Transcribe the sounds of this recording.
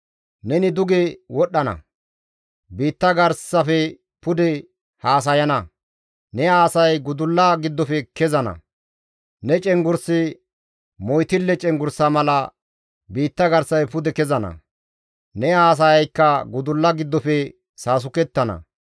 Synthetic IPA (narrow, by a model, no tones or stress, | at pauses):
nɛnɪd̪ʊɡɛwɔɗːɐnɐ̰ | biːt̪ːɐɡɐɾsɐfɛ | pʊd̪ɛ | haːs̬ɐjɐnɐ | nɛaːsɐjɡʊd̪ʊlːɐɡɪd̪ːɔpɛkɛzɐnɐ̰ | nɛt͡ʃʼɛŋɡʊɾsɪ | mɔjt̪ɪlːɛt͡ʃʼɛŋɡʊɾsɐmɐlɐ | biːt̪ːɐɡɐɾsːɐjpʊd̪ɛkɛzɐnɐ̰ | nɛaːs̬ɐjɐjkːɐɡʊd̪ʊlːɐɡɪd̪ːɔpɛ | saːs̬ʊkɛt̪ːɐnɐ̰